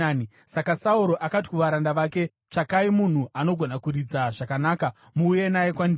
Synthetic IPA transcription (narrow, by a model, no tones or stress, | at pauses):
ni | sakasauɾo̞ʔakat̬i̥kuʋaɾandaʋaːke̞ | t͡ʂakaimun̤uʔano̞ɡʱo̞nakuɾid͡zaʐakanaːka | muːje̞najekwand